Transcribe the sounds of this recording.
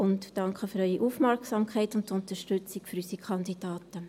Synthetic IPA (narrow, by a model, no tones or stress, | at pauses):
ʊntːɑŋkχəføɾœʏiʔuːfmɛɾksɑmkχɛɪtʊntʊntəʃtʉt͡sɪkføɾysikʰɑnd̥id̥ɑːtə